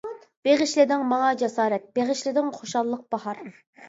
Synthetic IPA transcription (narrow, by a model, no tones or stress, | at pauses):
b̥eʁɪʃlɪd̪ɪŋmɑŋɑd͡ʒɛsɑːɾɛt̪̚b̥eʁɪʃlɪd̪ɪŋχoʃɑlˠːəq̚b̥ɑɦɑɾ